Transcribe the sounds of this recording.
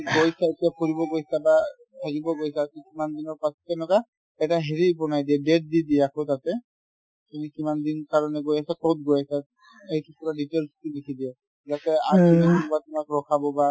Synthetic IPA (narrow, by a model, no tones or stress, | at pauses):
ɡɔjsaetijakoɹibɔɡojsaba | tʰakibɔɡojsaikimandinɔɹpasɔ̥tɛnɔka | ɛtaɦeɹibɔnajdiɛbɛt̚didiɛakʰɔtatɛ | tumikimandinkaɹɔnɛɡojasakɔt̚ɡojasa | ejtukɔɹaditɛɹstudekʰidiɛ | zatɛaunɛtunbatʊmakɹɔkʰabɔba